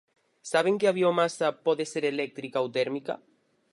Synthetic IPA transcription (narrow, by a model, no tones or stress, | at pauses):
saβ̞eŋkeaβiomasapɔðeseɾelek̚t̪ɾikaowt̪eɾmika̰